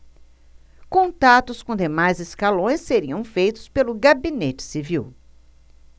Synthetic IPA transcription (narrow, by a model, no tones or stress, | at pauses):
kõnt̪at̪ʊskõd̪emajzɪskalõj̃sːeɾiɐ̃w̃fejt̪ʊ̥spelʊɡabinet͡ʃɪ̥siviw